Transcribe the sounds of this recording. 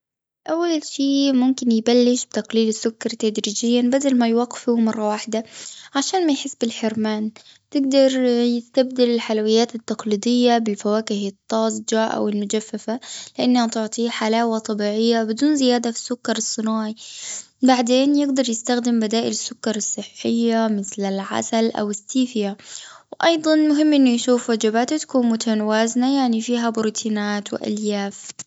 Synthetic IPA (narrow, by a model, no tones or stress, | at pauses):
ʔawːalʃiːmʊmkɪnjɪbalːɪʃbt̪aqliːlɪsːʊkːɑɾˤt̪ad̪ɾiːd͡ʒɪjːabad̪almajwaɡːɪ̥fumɑrˤːɑwaːħɪd̪aʕaʃaːnmajħɪsːbɪlħɪɾmaːn | t̪ɪɡd̪ɑɾˤjɪst̪ab̚d̪alɪlħalawɪjːaːt̪ɪt̪ːɑqliːd̪ˤɪjːabɪlfawaːkɪhɪt̪ˤːɑːsd͡ʒaːʔa̰wɪlmʊd͡ʒafːafalɪʔanːhat̪ʊʕt̪ˤiːħalaːwat̪ˤɑbiːʕɪjːabɪd̪uːnzɪjaːd̪afi̥sːʊkːɑɾˤɑsˤːɨnaːʕi | baʕd̪eːnjɪɡd̪ɑɾˤjɪst̪axd̪ɪmbad̪aːʔɪlɪsːʊkːɑɾˤɑsˤːɨħːɪjːamɪθlɪlʕa̰salʔa̰wɪsːiːfɪjawʔɑjd̪ˤɑnmʊɦɪmːʔɪnːujʃuːfwad͡ʒabaːt̪at̪ḁkuːnmʊt̪ʰanawaːznajaʕnifiːɦabʊɾut̪ʰiːnaːt̪wɪ̰ʔa̰ljaːf